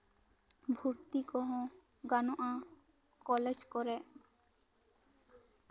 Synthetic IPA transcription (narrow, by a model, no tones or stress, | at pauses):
bʱuɾt̪ikɔɦõ | ɡanoʔa | kɔled͡ʑkɔɾe